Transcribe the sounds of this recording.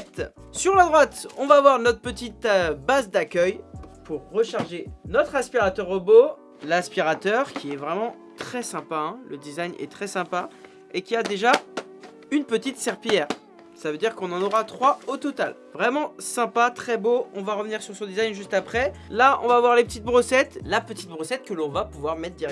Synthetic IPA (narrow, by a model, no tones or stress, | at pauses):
t̪syʁlad̪ʁwat̪ɔ̃vaːvwaʁnɔt̪χəpət̪it̪bazd̪akʲœjpuʁːəʃaʁʒenɔt̪χaspiʁat̪œʁobo | laspiʁat̪œʁkʲiɛvʁɛmɑ̃ | t̪χɛsɛ̃paɛ̃ləd̪izajɲʔɛ̰t̪χɛsɛ̃pa | ekʲiad̪eʒa | ynpət̪it̪sɛʁpijɛːʁ | savød̪iʁkɔ̃nɑ̃nɔʁat̪χwaot̪ɔt̪al | vʁɛmɑ̃sɛ̃pat̪χɛboɔ̃vaʁəvniʁsyʁsɔ̃d̪izajnʒyst̪apχɛlaɔ̰̃vavwaʁlepət̪it̪̚bʁosɛt̪lapət̪it̪̚bʁosɛt̪̚kəlɔ̃vapuvwaʁmɛt̪χd̪iɛ